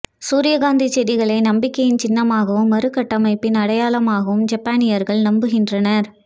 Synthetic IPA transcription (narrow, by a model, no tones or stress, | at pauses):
suːɾɪjɐɡaːnd̪it͡ʃːɛðɪɣɐɭɐɪnɐmbɪkːɐjɪnt͡ʃɪnːɐmaːɣɐʋɯmːɐɾɯkːɐʈːɐmɐɪpːɪnɐɽɐjaːlɐmaːɣɐʋɯmd͡ʒɐpːaːnɪjɐɾɣɐɭnɐmbɯɣɪndrɐnɐɾ